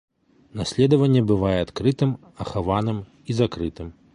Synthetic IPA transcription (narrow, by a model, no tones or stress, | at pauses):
nasʲlʲɛd̪ɐvɐnʲːɛbɨvajɛat̪kɾɨt̪ɨm | ɐxavanɨm | izakɾɨt̪ɨm